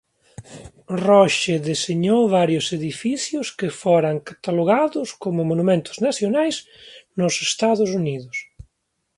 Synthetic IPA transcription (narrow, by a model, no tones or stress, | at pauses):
rɔʃeðeseɲowβaɾjʊseðifiθjʊskɪfoɾaŋkat̪aloɣaðʊskomʊmonumẽnt̪ʊ̥znaθjonajz | nʊsest̪aðʊsuniðʊs